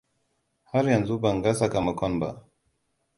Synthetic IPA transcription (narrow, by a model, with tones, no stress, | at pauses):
ha˦ɾjɐ˨nzu˦ba˨ŋɡa˦sa˨ka˨mɐ˨kʷɔ˦nba̰˦